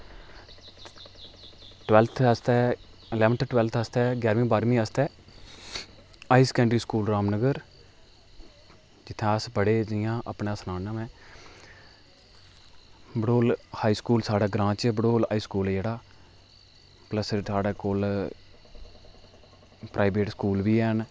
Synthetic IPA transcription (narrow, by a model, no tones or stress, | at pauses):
ʈwɛːlt̪ʰəst̪ɛː | ɪlɛːʋənt̪ʰʈwɛːlt̪ʰəst̪ɛːɡjaːɾmĩːbaːɾmĩːəst̪ʰɛː | aːiskɛ̃ːɳɖɾiːskuːlɾaːmnəɡəɾ | d͡ʒɪt̪ʰːẽːəsbəɽeːd͡ʒɪjãːʔəpɳesnaːnãːmɛ̃ː | bəɽoːlhaːiːskuːlsaːɽaːɡɾãːt͡ʃbəɽoːlaiːskuːld͡ʒeːɽaː | pləssaːɽeːkoːl | pɾʔaːibeːʈskuːlʋiːɛːn